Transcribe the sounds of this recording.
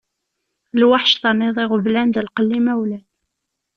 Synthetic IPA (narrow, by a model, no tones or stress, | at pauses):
lwaħʃθɑnːɪðˤɪʁəvlænðəlqəlːimæwlæn